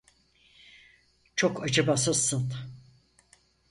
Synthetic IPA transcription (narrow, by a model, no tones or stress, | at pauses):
t͡ʃʰokʰad͡ʒabasasɯn